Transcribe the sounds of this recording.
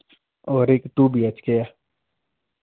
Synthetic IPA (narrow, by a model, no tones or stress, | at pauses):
ɔːɾeːkt̪ubʱiət͡ʃkeja